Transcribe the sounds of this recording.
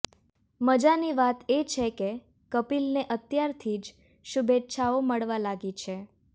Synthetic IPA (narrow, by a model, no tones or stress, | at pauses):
məd͡ʒaniʋat̪et͡ʃʰeke | kəpilneʔət̪jaɾt̪ʰid͡ʒ | ʃubetːʃʰaoməɭʋalaɡit͡ʃʰe